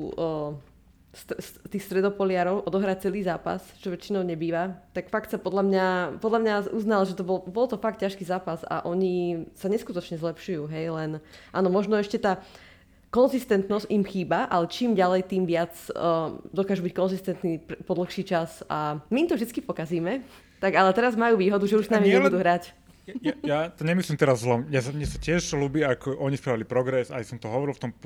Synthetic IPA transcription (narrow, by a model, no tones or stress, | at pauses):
st̪st̪iːxst̪ɾɛd̪ɔpɔlɪaɾɔʊʔɔd̪ɔɦɾac̚t͡sɛliːzaːpa̰st͡ʃɔʋɛt͡ʃinɔʊɲɛbiːʋat̪akfakt̪sapɔd̪lamɲapɔd̪lamɲaʔuznalʒɛt̪ɔbɔlbɔlt̪ɔfak̚t̪̚cːaʃkiːzaːpaza̰ʔɔɲisaɲɛskut̪ɔt͡ʃɲɛzlɛpʃujuːɦɛjlɛnʔaːnɔmɔʒnɔɛʃcɛt̪aː | kɔnzist̪ɛnt̪nɔscimxiːbaʔalɛt͡ʃiːmɟalɛjt̪iːmʋɪat͡sː | d̪ɔkaːʒubickɔnzist̪ɛnt̪nipɾpɔd̪l̩xʃiːt͡ʃasʔamiːmt̪ɔvʒd̪it͡skipɔkaziːmɛ | t̪aɡalɛt̪ɛɾazmajuːʋiːɦɔd̪uʒɛuʃsnamiɲɛbud̪uːɦɾac | ajjat̪ɔɲɛmislimt̪ɛɾazːlɔjasamɲɛsacɪɛʒɦluːbiakʰɔʔɔɲispɾaʋilipɾɔɡɾɛsa̰jsɔmt̪ɔɦɔʋɔɾilft̪ɔm